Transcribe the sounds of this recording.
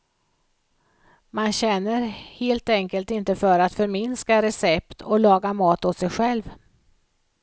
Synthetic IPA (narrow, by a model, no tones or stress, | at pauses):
manɕɛnːəɾheːlt̪ɛŋkəlt̪ɪnt̪əfœɾat̪fœɾmɪnskaɾɛsɛpt̪ʰɔlɑːɡamɑːt̪hɔssɛjɧɛlv